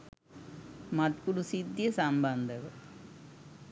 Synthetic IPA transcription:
mɐʈ̪kuɽusid̪jɐsaːmband̪ɐɣɐ

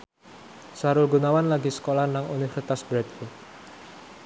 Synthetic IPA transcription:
saɾʊlɡunawanlaɡisə̥kolahnaŋunifərsi̥t̪asbɾɛt̪̚fut̪̚

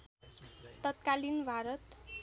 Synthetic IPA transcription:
t̪ʌt̪kalinbʱaɾʌt̪

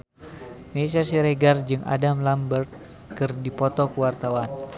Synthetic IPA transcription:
ms̬iasiɾeɡard͡ʒɨŋa̰damlambərt̪̚ | kɨrdipɔt̪ɔkəwart̪awan

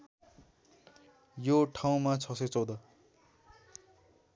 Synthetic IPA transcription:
joʈʰaw̃mat͡sʰʌset͡sʌwd̪ʌ

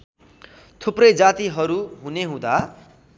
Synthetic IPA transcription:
t̪ʰuprʌjd͡zat̪iɦʌɾuɦuneɦũd̪a

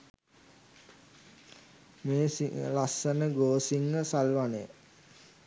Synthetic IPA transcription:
meːsilasənəɡoːsiŋɡəsalʋanəjə̰

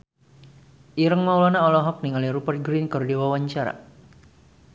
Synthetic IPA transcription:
ʔiɾəŋmaulɔnaɔlɔɦɔk̚niŋaliɾupərt̪̚ɡɾinkɔrdiwawaɲt͡ʃaɾa̰

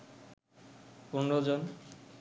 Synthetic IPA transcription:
punɾod͡ʑon

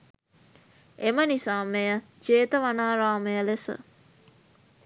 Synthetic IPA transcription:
emənisaːmejə | d͡ʒeːt̪əʋanaːɾaːmejəlesə̰

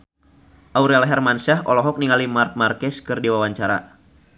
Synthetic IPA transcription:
ʔauɾalɦɛrmansaɦɔlɔɦɔk̚niŋalimart̪̚markɛskɨrdiwawaɲt͡ʃaɾa̰

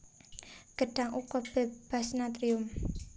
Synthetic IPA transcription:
ɡ̥ə̤ɖ̥a̤ŋʔukɔb̥ɛb̥asnat̪ɾiʊm

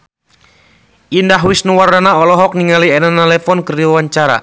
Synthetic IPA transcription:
ʔindaɦwisnuwaranaɔlɔɦɔk̚niŋaliɛnanalɛfɔnkəɾiwaɲt͡ʃaɾa̰

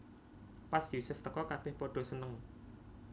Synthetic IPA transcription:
pasjusʊft̪əkɔkab̥ɛhpoɖ̥o̤sənəŋ

